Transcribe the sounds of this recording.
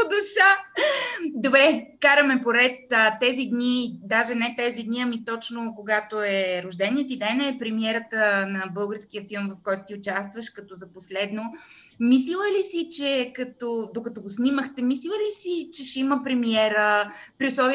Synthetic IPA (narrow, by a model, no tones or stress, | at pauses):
d̪ʊʃə | d̪obɾɛkaɾəmɛpoɾɛt̪ət̪ɛzid̪nid̪aʒɛnɛt̪ɛzid̪niɐmit̪ɔt͡ʃnokoɡat̪oɛɾoʒd̪ɛniət̪id̪ɛnɛpɾɛmiɛɾət̪ənɐbɤlˠɡəɾsk̟iəfilˠmvɐfkɔjt̪ʊ̥t̪iʊt͡ʃas̬t̪vəʃkɐt̪ɔzɐposlɛd̪no | mis̬lilˠəlisit͡ʃɛkɐt̪ɔd̪okɐt̪ɔɡosnʲiməxt̪ɛmislilˠəlisit͡ʃɛʃiməpɾɛmiɛɾəpɾiʊslˠɔvi